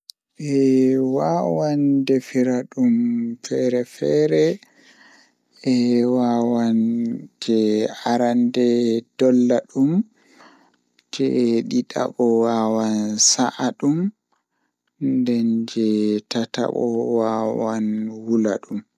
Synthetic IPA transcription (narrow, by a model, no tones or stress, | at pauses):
ʔɛwawandɛfiɾaɗumfɛɾɛfɛɾɛ | ɛwawand͡ʒɛaɾandɛd̥ɔlːaɗum | d͡ʒɛɗiɗa̰ɓɔwawansaʔaɗum | ndɛnd͡ʒɛtata̰ɓɔ̰wawanwula̰ɗum